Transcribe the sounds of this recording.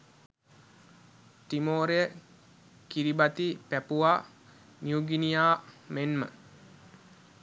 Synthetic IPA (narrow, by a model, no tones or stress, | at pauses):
timoːɾeə | kiɾibat̪ipæpuaː | njuɡinijaːmenmə̰